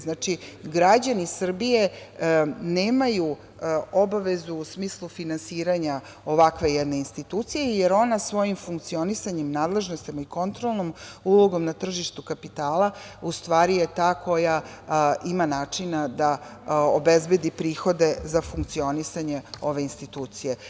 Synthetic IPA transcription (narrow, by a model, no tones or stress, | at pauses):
znaːt͡ʃiɡɾad͡ʑanisr̩bije̞ | neːmaju | o̞baʋe̞zuːsmiːslˠufinansiːɾaɲa | o̞ʋakʋe̞jɛd̪ne̞inst̪it̪uːt̪sijejeɾo̞nasʋo̞jimfuŋk̚t̪sio̞nisaɲemnaːd̪le̞ʒno̞st̪imaiko̞nt̪ɾolˠnomulˠo̞ɡo̞mnat̪r̩ʒiʃt̪ukapit̪aːlˠa | ust̪ʋaːɾijet̪aːkʰo̞ja | imanaːt͡ʂinad̪aobezbe̞d̪ipɾiːxo̞d̪e̞zafuŋk̚t̪sio̞nisaɲe̞o̞ʋe̞inst̪it̪uːt̪sije̞